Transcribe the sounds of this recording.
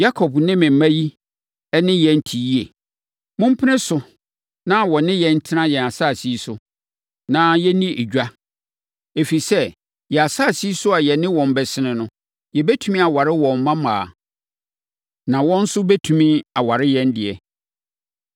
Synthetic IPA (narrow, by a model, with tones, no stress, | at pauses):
ja˦kʰɔ˨bnɪ̃˦mɪ̃˨m̩˨mã˦ji˦ | ɛ˦nɪ̃˦jɛ˨n̩˦tʰi˨ji˦e˨ | mʊ̃˦m̩˦pʰɪ˦nɪ̃˦sʊ˨ | nã˦wɔ˨nɪ̃˦jɛ˨n̩˦tʰɪ˦nã˦jɛ˨na˨saː˦˨si˦sʊ˨ | nã˦jɛ˦nĩ˦ʔe˨d͡ʑᶣa˦ | e˨fi˨sɛ˦ | jɛ˨a˨saː˦˨si˦i˦sʊ˦a˨jɛ˨nɪ̃˦wɔ̃˨m˨bɛ˨sɪ˦nɪ̃˨nʊ̃˦ | jɛ˨bɛ˦tʰu˨mĩ˦a˨wa˨ɾɪ˦wɔ̃˨m̩˦mã˦mãː˨ | nã˨wɔ̃˦n̩˦sʊ˦bɛ˦tʰũ˨mĩ˦a˨wa˨ɾɪ˦jɛ˦n˦dɪ˨ɛ˨